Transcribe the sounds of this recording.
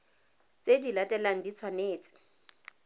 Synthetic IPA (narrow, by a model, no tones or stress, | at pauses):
t͡sʼedilatʼɛlaŋ̩dit͡sʰwaneːt͡sʼɪ̥